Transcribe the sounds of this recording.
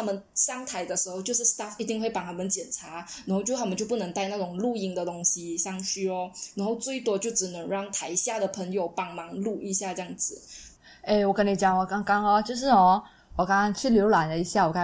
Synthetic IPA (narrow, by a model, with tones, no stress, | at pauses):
a˥˩mə˨nʂɑ˥ŋt̪ʰa˧˥ɪd̪ə˧ʂ̩˧˥xo˥ʊt͡ɕjo˥˧ʂ̬ɻ̩˥˩st̪a˥˩fi˧˥t̪i˥˧ŋwe˥˩ɪpa˨˩ha˧˥ɪmə˧˦nt͡ɕjɛ˨˩nʈ͡ʂʰa˧˥na˨˧˥xo˥˧t͡ɕjo˥˧xa˥˩mə˨˦t͡ɕjo˥˧ʊpu˥˩nə˧˥ŋt̪a˥˧ɪna˥˩ʈ͡ʂʊ˨˩ŋlu˥˧i˥˩ŋd̪ə˨t̪ʊ˥ŋɕi˧˥ɕɑ˥˧ŋt͡ɕy˥ɔ˧˩na˧˥nxo˥˧ʊt͡swe˥˩ɪt̪wɔ˥t͡ɕjo˥˩ʊʈ͡ʂɻ̩˨˩nə˧˥ŋɻɑ˥˩ŋt̪ʰa˧˥ɪɕja˥˩d̪ə˩pʰə˧˥ŋjo˨˩˦ʊpɑ˨˩ŋmɑ˧˥ŋlu˥˩ʔi˧˥ɕja˥˧ʈ͡ʂɤ˧jɑ˥˩ŋd͡zɹ̩˨˩ | e˥˩ɪwɔ˨˩kə˦˥ni˨˩t͡ɕjɑ˨˩ŋwɔ˨˩kɑ˥ŋkɑ˥ŋɔ˧t͡ɕjo˥˧ʊʂ̬ɻ̩˥˩ɔ˥˩ | wɔ˨˩kɑ˥ŋɑ˥ŋt͡ɕʰy˥˩ljo˧˥ʊla˨˩nlə˦i˧˥ɕja˥˩wɔ˨˩ka˥˩